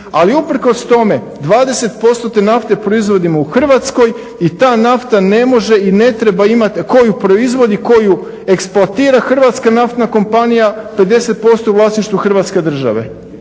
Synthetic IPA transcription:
aliupɾ̩ko̞st̪o̞me̞ | d̪ʋaːd̪e̞se̞t̪po̞st̪o̞t̪e̞naft̪e̞pɾo̞izʋo̞d̪imouxr̩ʋat̪sko̞j | it̪aːnaft̪ane̞mo̞ʒe̞ine̞t̪ɾe̞baimat̪ko̞jupɾo̞izʋo̞d̪iko̞ju | e̞ksplˠat̪iːɾaxr̩ʋat̪skanaft̪nako̞mpanijape̞d̪e̞se̞t̪̚po̞st̪o̞uʋlˠaːsniʃt̪ʋuxr̩ʋat̪ske̞d̪r̩ʒa̰ʋe̞̰

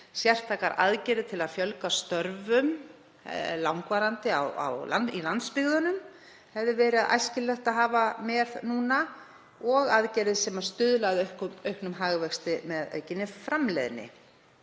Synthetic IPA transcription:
sjɛr̥t̪ʰakaɾa̰ðcɛːɾɪðt̪ʰɪlaðfjœlkast̪œɾvʏm | lawŋkvaːɾant̪ɪawa̰wla̰ilant̪spɪɣðʏnʏm | hɛvðɪvɛːɾɪaðʔa̰jscɪllœxt̪aðɦaːvamɛðnuːna | ɔɣaðcɛːɾɪðsɛmḁst̪ʏðlaðœhkœɥhknʏmɦaɣvɛkst̪ɪmɛðœ̰ːɥcɪnːɪfɾamlɛ̰ðnɪ̰

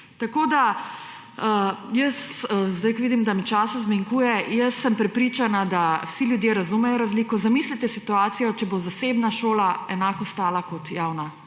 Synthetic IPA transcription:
t̪akoːd̪a | əjəszd̪ajkʋid̪imd̪amit͡ʃaːsazmiŋkuːjɛjəsːəmpɾɛpɾit͡ʃanad̪awsiljud̪jeːɾazumɛjɔɾazliːkɔzamiːslit̪ɛsit̪uaːt̪sijɔt͡ʃɛbozasebnaʃoːlaɛnaːkɔst̪aːlakɔt̪jawna

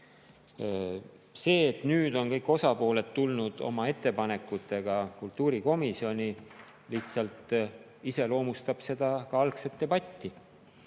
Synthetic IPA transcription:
se̞ːt̪nyːd̪̥o̞nkɤjkːˑo̞sɑpo̞ːle̞t̪ːulnud̪̥o̞̰mɑe̞t̪ˑːe̞pɑne̞kːˑut̪ːˑe̞ɡ̥ɑkult̪ːuːɾiko̞misio̞nʲi | liht̪sɑlt̪ˑ | ise̞lo̞ːmust̪ɑb̥se̞d̪̥ɑkɑɑlkse̞t̪̚ːe̞bɑt̪ʲːi

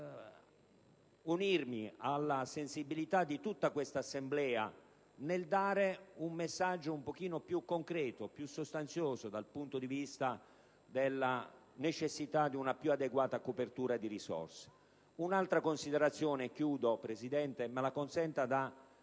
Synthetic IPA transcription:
unirmialːasensibilit̪ad̪ːit̪ut̪ːakwest̪aːsːemblɛːa̰ | neld̪aːɾeummesːad͡ʒːoumpok̟iːnopjukːoŋkɾɛːt̪opjusːost̪ant̪sjoːzod̪alpunt̪od̪ivist̪a | d̪elːa | net͡ʃesːit̪ad̪iunapjuad̪eɡwaːt̪akopert̪uːɾad̪irisɔ̰rse̥ | unalt̪ɾakonsid̪eɾat̪sːjoːnekjuːd̪opɾesid̪ɛnt̪emalakonsɛnt̪ad̪a

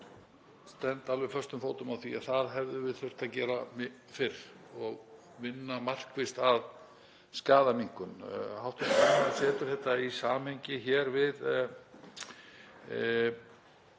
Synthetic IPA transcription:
st̪ɛnt̪alvɛfœrst̪ʏmfoːwt̪ʏmaðθiaðθaðɦɛvðʏvɪðθœr̥t̪aðcɛːɾam | fɪɾ | ɔɣ | vɪnːamar̥kvɪst̪að | skaːðamiŋ̥kʏnhawt̪ɪasɛːt̪ʏɾ̥θɛht̪aisaːmhejɲcɪçɛːɾvɪð

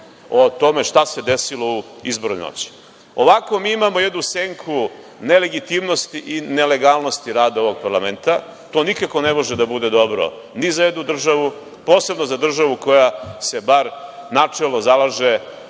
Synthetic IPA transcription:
ot̪o̞me̞ʂt̪ase̞d̪esilo̞uizbo̞ɾṵno̰t͡ɕi̥ | oʋako̞miːimamojed̪nuseŋkʰu | ne̞le̞ɡit̪imno̞st̪iʔine̞le̞ɡalˠno̞st̪iɾaːd̪ao̞ʋo̞ɡ̚paɾlame̞nt̪a | t̪o̞ːnikako̞nemo̞ʒed̪abud̪e̞d̪o̞bɾo̞̰ | nizajed̪nud̪r̩ʒaʋu | po̞ːse̞bno̞zad̪r̩ʒaʋuko̞jase̞baɾnat͡ʂelˠno̞zalaʒe

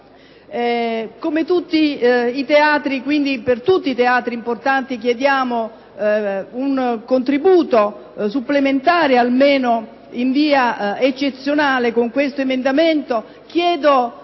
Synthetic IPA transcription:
ɛkomet̪ut̪ːiit̪eaːt̪ɾikwind̪ipert̪ut̪ːit̪eaːt̪ɾiːmport̪ant̪ikjed̪jaːmo | uŋkont̪ɾibuːt̪o | supːlement̪aːɾealmeːno | iɱviːaet͡ʃːet̪sːjonaːlekoŋkwest̪oemend̪ament̪o | k̟jɛːd̪o

